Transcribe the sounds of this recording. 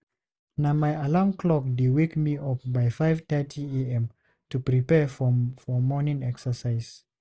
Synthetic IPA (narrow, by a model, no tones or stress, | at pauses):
namaɪalamkʰlɔk̚diwekmiɔp̚baɪfaɪv̥tɛtʰieɛ̃m | tupɹipɛfɔfɔmɔnĩŋɛksə˞saɪz̥